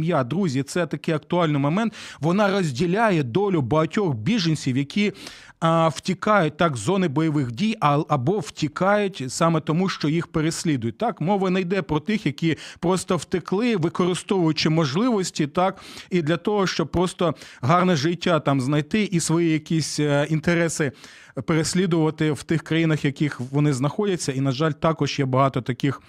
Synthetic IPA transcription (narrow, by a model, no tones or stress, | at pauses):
mjad̪ɾuzʲit̪sɛt̪ɐkɪɐkt̪ʊɑlʲnɪjmɔmɛnt̪ʋɔnɑrɔzʲdʲilʲajɛd̪ɔlʲʊbɐɦɐtʲɔxbʲiʒenʲsʲiwjɐkʲʰi | wtʲikɑjʊt̚ʲt̪ɑkzɔnɪbɔjɔʋɪxdʲijɐɐbɔwtʲikɑjʊtʲsɑmɛt̪ɔmuʃt͡ʃɔjixpeɾesʲlʲid̪ʊjʊt̚ʲt̪ɑkmɔʋɐnɐjd̪ɛpɾɔt̪ɪxjɐkʲipɾɔst̪ɔwt̪ɪklˠɪʋɪkɔɾɪst̪ɔʋʊjʊt͡ʃɪmɔʒlˠɪʋɔsʲtʲit̪ɑkid̪lʲɐt̪ɔɦɔʃt͡ʃɔb̚pɾɔst̪ɔɦɑrnɛʒɪtʲːat̪ɑmznɐjt̪ɪʔisʋɔjijɐkʲisʲint̪eɾɛsɪ | peɾesʲlʲid̪ʊʋɐt̪ɪwt̪ɪxkɾɐjinɐxjɐkʲixʋɔnɪznɐxɔdʲɐt͡sʲːɐinɐʒɑlʲt̪ɑkɔʒjɛbɐɦɑt̪ɔt̪ɐkɪx